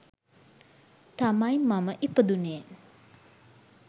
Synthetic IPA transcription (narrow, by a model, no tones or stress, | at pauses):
t̪amajmamɐʔipəd̪une